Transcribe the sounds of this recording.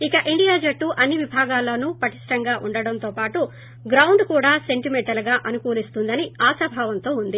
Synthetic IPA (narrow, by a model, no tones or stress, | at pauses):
ikɐʔiɳɖijaːd͡ʒɐʈːuʔɐnːiʋibʱaːɡaːlːɐːnupɐʈi̥ʂʈɐŋɡaːʔuɳɖɐɽɐnt̪oːpaːʈu | ɡɾɐwɳɖkuːɽaːse̞ɳʈimeɳʈɐlɡaːʔɐnukuːlist̪und̪ɐniaːsɐbʱaːʋɐnt̪o̞ːund̪i